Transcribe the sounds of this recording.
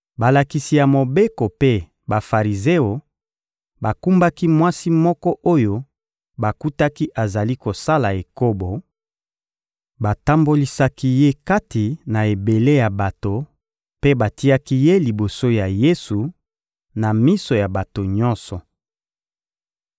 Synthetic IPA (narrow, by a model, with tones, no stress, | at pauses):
ba˨la˨ki˨si˨ja˨mo˨be˦ko˨pe˦ | ba˨fa˨ʁi˨ze˦o˨ | ba˨ku˦mba˦ki˦mwa˦si˦mɔ˦kɔ˦ʔo˦jo˦ | ba˨ku˦ta˦ki˦ʔa˨za˨li˦ko˨sa˦la˨e˨ko˦bo˨ | ba˨ta˦mbo˦li˦sa˦ki˦je˦ka˦ti˨na˨e˨be˨le˦ja˨ba˨to˨ | pe˦ba˨ti˦a˦ki˦je˦li˨bo˨so˦ja˨je˦su˨ | na˨mi˦so˨ja˨ba˨to˨ɲɔ̃˦nsɔ˨